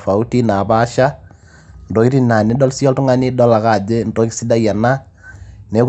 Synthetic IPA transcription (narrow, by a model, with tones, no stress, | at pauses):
fa˨u˦ti˦na˨ba˦ʃa˦ | ndo˨ki˦ɾi˦na˨ni˦dɔ˦lsi˦ɔ˦ltʊ˦ŋa˦ni˦dɔ˦la˨ka˦˨d͡ʒe˦ndo˦ki˦si˦da˦ja˨na˦ | ne˨˦k